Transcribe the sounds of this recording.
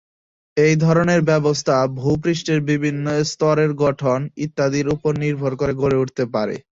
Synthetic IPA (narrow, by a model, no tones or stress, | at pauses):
ejd̪ʱɔɾoneɾbɛbost̪ʰabʱupɾiʃʈeɾbibʱinːost̪ɔɾeɾɡɔʈʰonit̪ːad̪iɾupoɾniɾbʱoɾkoɾeɡoɾeuʈʰt̪epaɾḛ